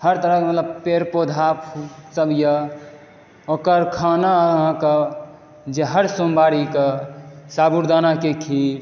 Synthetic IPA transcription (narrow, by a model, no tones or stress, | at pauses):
həɾt̪əɾəkmət̪ləb̚peɾpod̪ʱapsəbʱjə | okəɾkʰanaɦãkə | d͡ʒeɦəɾsombaɾikəsabuɾd̪anakekʰi